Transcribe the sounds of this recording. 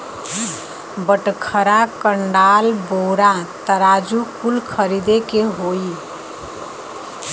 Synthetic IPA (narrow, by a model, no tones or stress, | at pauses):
bəʈkʰəɾakəɳɖalboɾat̪əɾad͡ʒukulkʰəɾid̪ekeɦoi